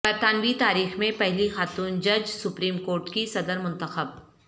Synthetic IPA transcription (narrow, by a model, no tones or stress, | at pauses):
bɐɾt̪aːnʋit̪aːɾiːxmẽpɛɦlixaːt̪uːnd͡ʒɐd͡ʒsʊpɾiːmkoːɾʈkisɐd̪əɾmʊ̃nt̪əxəb